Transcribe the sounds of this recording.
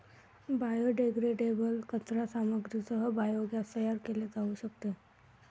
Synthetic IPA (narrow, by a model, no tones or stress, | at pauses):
baːjoɖeːɡɾeːɖeːbəlkət̪ɾasaːməɡɾisəɦəbaːjoɡasəjaɾkeliet̪aːuʃək̚t̪e